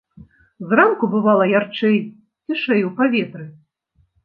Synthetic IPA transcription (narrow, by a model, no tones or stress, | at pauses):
zramkubɨvalˠɐjart͡ʂɛj | t͡sʲiʂɛjwpavʲɛt̪ɾɨ